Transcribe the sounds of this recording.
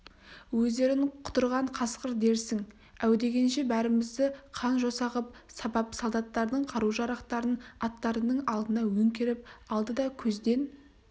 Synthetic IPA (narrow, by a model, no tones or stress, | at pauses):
wɵzd̪e̞ɾɪŋqʰʊ̥t̪əɾʁɑɴqʰɑsqəɾd̪e̞ɾsɪŋ | æwd̪e̞ɡʲe̞nʃe̞bæɾɪmɪzd̪ɪqʰɑnʒo̞sɑʁəp̚sɑbɑpsolˠd̪ɑt̪ːɑɾd̪əɴqʰɑɾuʒɑɾɑqt̪ɑɾənɑt̪ːɑɾənəɴɑlˠd̪ənɑwɵŋkʲe̞ɾɪp̚ɑlˠd̪əd̪ɑkʲʰɵzd̪e̞n